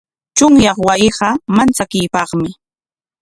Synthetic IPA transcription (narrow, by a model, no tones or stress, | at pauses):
t͡ʃʊŋjɑχwajɪɢɑmant͡sakɪjpɑχmɪ